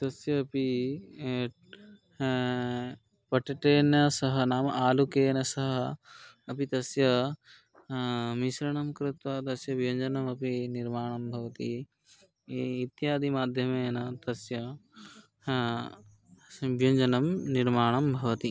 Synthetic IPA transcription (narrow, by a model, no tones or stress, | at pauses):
t̪ɐsjɐːpi | pɐʈiʈeːnɐsɐɦɐnaːmɐʔaːlukeːnɐsɐɦɐ | ɐpit̪ɐsjɐ | miʃɾɐɳɐmkɾɪt̪wɐt̪ɐsjɐʋjɐɲd͡ʒɐnɐmɐpiniɾmaːɳɐmbʱɐʋɐt̪i | t̪jaːd̪imaːd̪ʱjɐmeːnɐt̪ɐsjɐ | bjɐɲd͡ʒɐnɐmniɾmaːɳɐmbʱɐʋɐt̪i